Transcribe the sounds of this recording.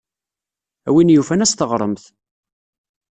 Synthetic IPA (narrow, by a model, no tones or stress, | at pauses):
æwinjufænæst̪əʁɾˤəmθ